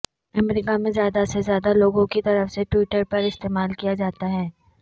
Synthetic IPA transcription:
ɐmɾiːkamẽzjaːd̪asezjaːd̪aloːɡõkit̪ɐɾəfseʈwiːʈəɾpɐɾɪst̪eːmaːlkijad͡ʒaːt̪aɦɛː

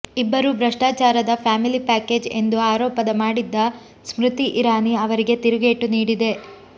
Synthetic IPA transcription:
ibːɐɾubɾɐʂʈaːt͡ʃaːɾɐd̪ɐpʰaːmilipæːke̞ːd͡ʒe̞̰nd̪uaːɾɔːpɐd̪ɐmaːɽid̪ːɐ | smɾut̪iʔiɾaːniɐʋɐɾiɡe̞t̪iɾuɡeːʈuniːɽid̪e̞

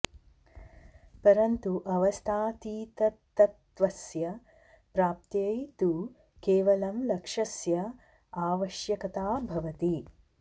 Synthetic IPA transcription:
pɐɾɐnt̪uʔɐʋɐst̪ʰaːt̪iːt̪ɐt̪ːɐt̪ʋɐsjɐ | pɾaːp̚t̪jɐjt̪u | keːʋɐlɐmlɐkʂɐsjɐ | aːʋɐʃjɐkɐt̪aːbʱɐʋɐt̪i

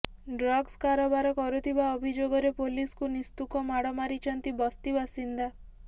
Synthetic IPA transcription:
ɖɾɔɡskaɾɔbaɾɔkɔɾut̪ʰibaɔbʱid͡ʒoɡɔɾepoliskunist̪ukɔmaɽɔmaɾit͡ʃʰɔnt̪ibɔst̪ibasind̪a

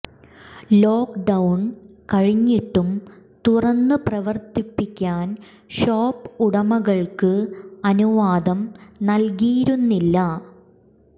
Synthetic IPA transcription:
lo̞ːkɖɐwɳ | kɐɻiɲːiʈːumt̪urɐnːɨprɐʋɐrt̪ipːikʲːaːn | ɕo̞ːpːuɽɐmɐɣɐɭkɨɐnuʋaːd̪ɐmnɐlkiːɾunːilːɐ

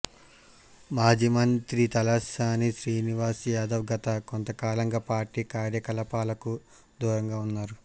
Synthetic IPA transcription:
maːd͡ʒimɐnt̪ɾit̪ɐlɐsaːniʃɾiːniʋaːsjaːd̪ɐwɡɐt̪ɐkont̪ɐkaːlɐŋɡaːpaːɾʈiːkaːɾjɐkɐlɐpaːlɐku | d̪uːɾɐŋɡaːunːaːɾu

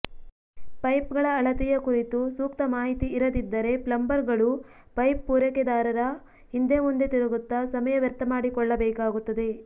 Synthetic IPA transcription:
pɐjpɡɐɭɐːɭɐt̪ijɐkuɾit̪usuːk̚t̪ɐmaːɦit̪iːɾɐd̪id̪ːɐɾe̞plɐmbɐɾɡɐɭu | pɐjpːuːɾɐkɛd̪aːɾɐɾɐ | hind̪emond̪et̪iɾɐɡut̪ːɐsɐmɐjɐʋjɐɾt̪ːɐmaːɽikɔɭːɐbɛːkaːɡut̪ːɐd̪e̞

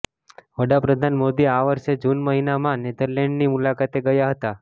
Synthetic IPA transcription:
ʋəɽapɾəd̪ʱanmod̪iaʋəɾʃed͡ʒunməɦinamãned̪əɾleɳɖnimulakat̪eɡəjaɦət̪a

